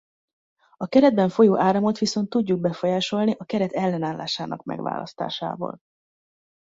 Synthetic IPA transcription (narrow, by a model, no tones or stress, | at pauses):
ɒkɛɾɛd̪̚bɛɱfo̞joːʔaːɾɒmot̪ʋiso̞nt̪ːuɟːuɡ̚bɛfo̞jaːʃo̞lniʔɒkɛɾɛt̪ɛlːɛnaːlːa̰ːʃaːnɒkmɛ̰ɡʋa̰ːlɒ̰st̪a̰ːʃa̰ːvɒ̰l